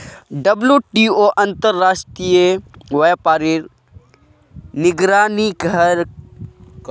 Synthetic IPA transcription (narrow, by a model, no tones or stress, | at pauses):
ɖɐbljuʈiːoːʔɐ̃nt̪əɾːaːʃʈɾijəʋepaːɾiɾ | nɪɡɾaːniɡʱɐɾ